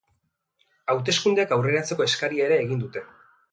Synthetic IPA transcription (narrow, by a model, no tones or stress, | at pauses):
awt̪e̞skund̪eakawre̞ɾat͡se̞ko̞e̞skaɾiaeɾe̞ːɣind̪ut̪e̞